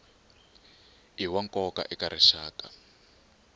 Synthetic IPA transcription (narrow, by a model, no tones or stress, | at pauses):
iwaŋkɔka̰ʔɛkaɾɛʃaːka